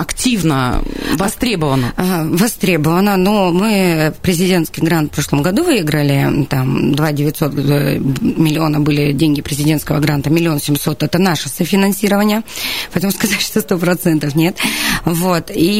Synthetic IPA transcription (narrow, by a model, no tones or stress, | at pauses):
ɐktʲivnəvɐst̪ɾʲe̞bəvənəəvɐst̪ɾʲe̞bəvənːənomɨpɾʲɪzʲɪdʲe̞ntskʲɪjɡɾant̪fpɾo̞ʂlˠəmɡɐd̪uvɨjɪɡɾəlʲɪt̪amd̪vadʲɪvʲɪt̪ʲso̞t̪ | mʲɪlʲɪo̞nəbɨlʲɪdʲenʲɡʲɪpɾʲɪzʲɪdʲenskəvəɡɾant̪əmʲɪlʲɪo̞nsʲɪmso̞t̪ɛt̪ənaʂəsəfʲɪnɐnsʲiɾəvənʲɪjəpɐɛt̪əmʊskɐzatʲʂt̪ost̪o̞pɾɐt̪sɛnt̪əfnʲe̞t̪vot̪i